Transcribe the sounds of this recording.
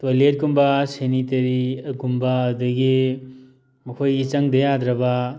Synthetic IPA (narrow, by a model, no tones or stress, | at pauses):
tojlet̚kumbɐsenitɐɾiɐɡumbaɐduɡi | mɐkʰojɡit͡ʃɐŋdɐjadɾɐbɐ